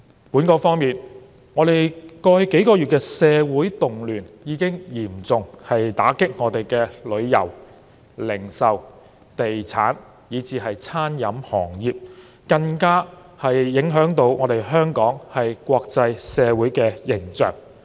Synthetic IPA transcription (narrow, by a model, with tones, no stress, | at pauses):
puː˨˥nkɔː˧fɔː˥ŋmiː˨n | ŋɔː˨˧ɾe˨jkɔː˧hke˨˥jkɔː˧ɥyː˨t̚kɛː˧sɛː˨˧wuː˨˥jt̪ʊ˨˩ŋlyː˨˩njiː˨˥kɪ˥ŋjiː˨˩mt͡sʊ˨ŋhɐ˨jt̪a̰ː˨˥kɪ˥k̚ŋɔː˨˧t̪e˨jkɛː˧lɵ˨˧ɥjɐ̰˨˩w | lɪ˨˩ŋsɐ˨w | t̪e˨jt͡sʰa̰ː˨˥n | jiː˨˥t͡siː˨˧ɦɐ˨jt͡sʰaː˥njɐ˨˧˥mhɔː˨˩ŋjiː˨p̚ | kɐ˧ŋkaː˥ | hɐ˨jːɪ˨˥ŋɦœː˨˥ŋt̪o˨˥wŋɔː˨˧ɾe˨jɦœː˥ŋkɔː˨˥ŋhɐ˨jkʷɔː˧k̚t͡sɐ˧jsɛː˨˧wuː˨˥jkɛː˧jɪ˨˩ŋt͡sœ̰ː˨ŋ